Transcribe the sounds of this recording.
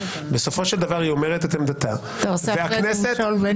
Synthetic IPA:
beso̞fo̞ʃeld̪avaʁio̞meʁet̪et̪emd̪at̪a | sveakneset̪lv

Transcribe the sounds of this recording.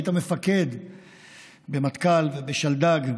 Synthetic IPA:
t̪amefake̞d̪ | bemat̪kalvebeʃald̪aɡ

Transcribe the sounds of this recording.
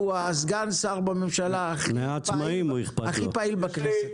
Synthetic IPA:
uazɡansaʁbamemʃalaːχimeaːt͡smaimuiχpaaχipailbakneset

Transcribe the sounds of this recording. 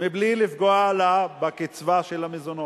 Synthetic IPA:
miblilifɡoalabakit͡svaʃelamezono

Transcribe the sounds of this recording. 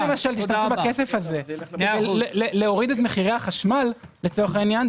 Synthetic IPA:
emaʃalt̪iʃt̪ambakesefaze̞kedejleleo̞ʁid̪et̪meχiʁejaχaʃmalːet͡so̞ʁeχainjan

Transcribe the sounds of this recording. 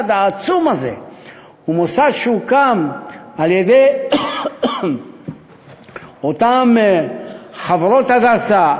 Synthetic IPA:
d̪aːt͡sumaze̞̰ | umosadʃeukamaljed̪ej | ot̪am | χaveɾo̞t̪haɡasa

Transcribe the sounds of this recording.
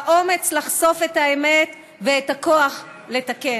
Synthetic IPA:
aʔo̞me̞t͡slaχso̞fetaeme̞t | veetakoaχ | le̞take

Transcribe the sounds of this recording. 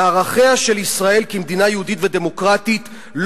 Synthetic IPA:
aʁaχe̞aʃe̞lisʁae̞lkimed̪inajeuditvede̞mo̞kʁat̪it | l

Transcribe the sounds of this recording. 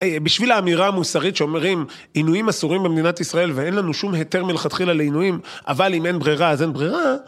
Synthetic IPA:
biʃvilaːmiʁaːmusaʁit̪ʃeo̞meʁim | inujimasuʁimbemed̪inat̪isʁae̞lvee̞nlanuʃumɦete̞ʁmilχat̪χilaleinujimʔa̰valime̞nbʁiʁaazenbʁiʁa

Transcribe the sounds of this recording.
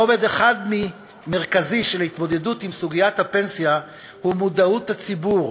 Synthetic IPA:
oved̪eχad̪mi | me̞ʁkaziʃelhit̪mo̞d̪e̞dut̪imsuɡijat̪hape̞nsja | humud̪aut̪hat͡sibuʁ

